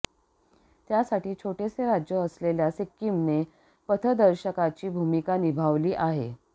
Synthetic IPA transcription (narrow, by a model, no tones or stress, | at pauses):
t̪jasaʈiːt͡ɕʰoʈeseɾad͡ʑjəəsleljasekːimne | pət̪ʰəd̪əɾɕəkat͡ɕiːbʱumikanibʱaʋliːʔaɦe